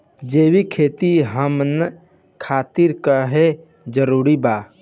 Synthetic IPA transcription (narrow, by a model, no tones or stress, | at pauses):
d͡ʒeːwikʰeːt̪iɦəmn | kʰaːt̪ɪɾkaɦe | d͡ʒəɾuːɾibaː